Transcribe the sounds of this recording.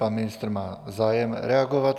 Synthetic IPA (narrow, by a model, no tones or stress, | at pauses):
anminist̪ɾmaːzaːjɛmɾɛaɡɔʋat